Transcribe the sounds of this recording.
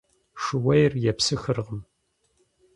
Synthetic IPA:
ʂɨwɐjrjɛpsɨxɨrʁəm

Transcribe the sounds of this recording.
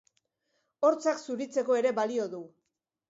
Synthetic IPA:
o̞ɾt͡saksuɾit͡se̞ko̞e̞ɾe̞βalio̞ðu

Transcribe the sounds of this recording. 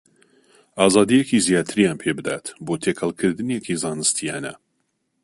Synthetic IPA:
ʔɑːzɑːd̪ijekizijaːt̪ʰɨɾijaːnpʰeːbɨd̪a̰ːt̪boːt̪ʰekʰɐlˠkʰɨɾd̪ɨnekizɑːnɨst̪ʰijaːnɐ̰

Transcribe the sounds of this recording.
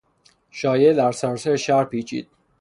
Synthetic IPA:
ʃɒːjed̪æɾsæɾseɾʃæɾpiːt͡ʃʰḭːd̪̥̚

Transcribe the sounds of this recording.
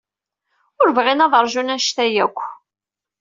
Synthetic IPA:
ʊɾvʁinɑðˤəɾˤʒunæʃt̪æjækʷː

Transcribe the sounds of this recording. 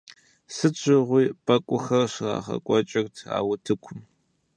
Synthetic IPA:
sɨd͡ʒʰɪʁʷiːpʼɐkʷʼʊxɐrɕɪra̰ːχɐ̰kʷʼɔt͡ʃʼɐktʰa̰ːwʊtʰɨkʷʰʊm

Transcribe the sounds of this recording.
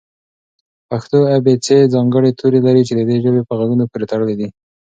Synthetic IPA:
paxt̪oabet͡sezɑŋɡəɽet̪ʰoɾelaɾit͡ʃed̪əd̪eʒəbepəɣaɡunopoɾet̪aɽəled̪i

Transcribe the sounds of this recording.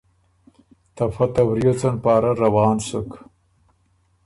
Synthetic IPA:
t̪afɐt̪abɾjot͡sanpɑːɾaɾawɑːnsʊk

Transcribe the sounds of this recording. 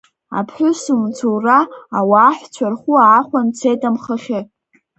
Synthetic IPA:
a̰pʰħʷᶣʊsumt͡sʰowraːwaːħʷt͡ɕʷʰarχʷʊaːχʷant͡sʰejtʼamχəχʲɪ

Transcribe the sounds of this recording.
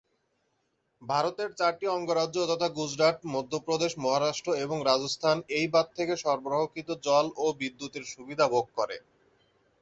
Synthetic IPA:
bʱaɾot̪eɾt͡ɕaɾʈiɔŋɡoɾadʑot̪ɔt̪ʰaɡud͡ʑɾaʈmod̪ʱːopɾod̪eʃmɔɦaɾaʃʈɾoeboŋɾad͡ʑost̪ʰanejbat̪̚t̪ʰːekeʃɔɾboɾoɦokit̪od͡ʑɔlobid̪ːut̪eɾʃubid̪ʱabʱoɡ̚kɔɾḛ

